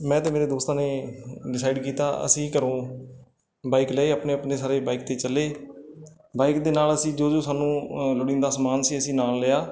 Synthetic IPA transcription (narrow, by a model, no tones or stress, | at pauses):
mɛ̃ːt̪ẽːmeːɾeːd̪oːst̪ãːneːɖɪsaːɪɖkiːt̪a̰ːə̰sĩːkəɾõː | baːiklɛːeːaːpneːəpneːsaːɾeːbaːiːk̚t̪eːt͡ʃəlːeː | baːikd̪eːnaːləsĩːd͡ʒoːd͡ʒoːsaːnũːlʊɽĩːnd̪aːsmaːnsiːəsĩːnaːlːeːaː